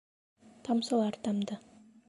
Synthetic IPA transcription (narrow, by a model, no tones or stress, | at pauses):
t̪ʰɑmsəlˠɑɾt̪ɑmd̪ə